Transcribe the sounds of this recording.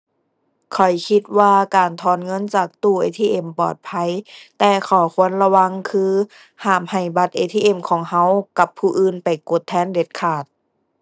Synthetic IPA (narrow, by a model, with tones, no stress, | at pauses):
kʰɔ˨˩jkʰi˧t̪̚waː˧kaː˨nt̪ʰɔː˧˥nŋɤ˧˥˨nt͡ɕaː˨˩k̚t̪uː˧˩ʔḛː˧˩t̪ʰiː˧ʔe˧˩mpɔ̰ː˨˩t̪̚pʰa˧˥˨jt̪ɛː˧˩kʰɔː˨˩kʰu˧˥ənla˧wa˧˥ŋkʰɯː˧˥ | haː˨˩mha˨˩jba˧t̪̚ʔeː˧t̪ʰiː˧˨ʔe˧˩mkʰɔː˨˩˦ŋha˧˥wka˧pʰːuː˧ʔɯː˧˩npa˨jko˧˦t̪ʰːɛː˧˥˨nde˧˦t̪̚kʰaː˨˩t̪̚